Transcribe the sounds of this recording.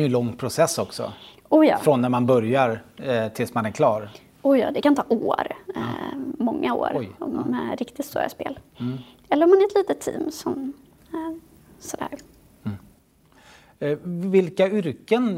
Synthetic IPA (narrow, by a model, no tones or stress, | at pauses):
jɵlɔŋːpʰɾʊsɛsːɔksɔ̰ | ujɑ̰ːfɾɔnːæɾmanbœɾjaɾt̪ʰɪlsmanæɾkʰlɑːɾ | ʊjɑ̰ːd̪ɛkant̪ʰɑːʔoːɾ | mɔŋːao̰ːɾɔ̰mːɛɾɪkt̪ɪt̪st̪ṵːɾa̰spḛːl | ɛlːəɾɔmanæɾɛt̪liːt̪ət̪ʰːḭːmsɔm | sɔd̪æ̰ːɾ | vɪlkaʏɾkən